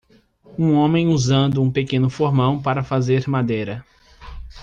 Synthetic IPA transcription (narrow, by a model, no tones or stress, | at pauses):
ũõmẽj̃uzɐ̃nd̪ʊũpekẽnʊfoɾmɐ̃w̃paɾɐfazeɾmad̪ejɾɐ